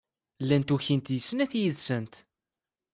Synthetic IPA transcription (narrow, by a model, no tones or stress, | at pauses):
lːænt̪uçint̪jəsːənæθjəðsənt̪